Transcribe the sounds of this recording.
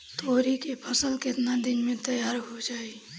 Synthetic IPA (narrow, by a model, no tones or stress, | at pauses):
t̪oɾikepʰəsəlket̪nad̪inmet̪əjaɾɦod͡ʒai